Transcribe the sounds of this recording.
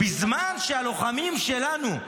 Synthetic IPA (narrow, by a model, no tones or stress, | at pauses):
bizmanʃealo̞χamimʃe̞lanu